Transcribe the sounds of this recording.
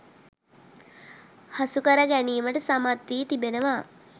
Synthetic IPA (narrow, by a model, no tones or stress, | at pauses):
hasukəɾəɡæniːməʈəsamat̪ʋiːt̪ibenəʋa